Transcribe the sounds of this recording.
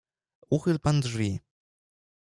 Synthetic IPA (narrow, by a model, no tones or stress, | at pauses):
uxɘlpand̪ʐvʲi